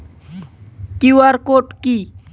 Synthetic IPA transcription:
kiwaɾkoʈki

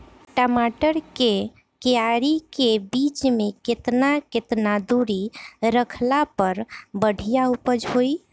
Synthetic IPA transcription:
ʈəmaʈəɾke | keaɾikebit͡ʃmeket̪naket̪nad̪uɾiɾəkʰlapəɾbəɽ̤ʱijaupəd͡ʒɦoj

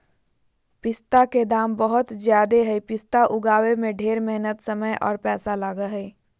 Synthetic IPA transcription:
pɪst̪aked̪aːmbəɦʊt̪zjaːd̪eɦɛipɪst̪aʔʊɡaːwemẽɖʱeːɾmɛɦnət̪səməjʔɔ̰ːɾpɛːsalaːɡaɦɛi

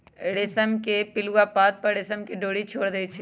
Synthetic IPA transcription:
ɽɪsəmkepɪluwapaːt̪̚pɐɾɽɪsəmkiɖoːɽit͡ʃʰoːɽd̪eit͡ʃʰe

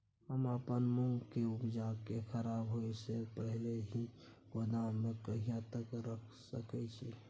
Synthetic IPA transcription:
həməpənmuŋɡkeupd͡ʒakekʰəɾabɦojsepəɦleɦi | kod̪amekəɦijãt̪əkɾəkʰsəkɛt͡ʃʰi

